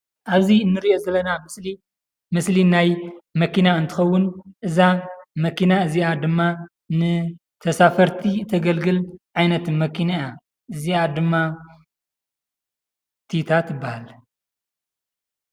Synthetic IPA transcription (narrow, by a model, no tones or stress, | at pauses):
ʔaβziɨnːɨɾiʔozɐlːɐnamsli | mɨslinajmɐkinaɨnt̪ʰɨxɐwːʊnʔɨzamɐkinaɨziʔad̪ɨmːa | nɨ | t̪ʰɐsafɐɾt̪ʰit̪ʰɐɡɐlɡɨlʕajnɐt̪ɨnmɐkʰinaja | ʔɨziad̪ɨmːa | t̪ʰit̪ʰat̪jɨbːahal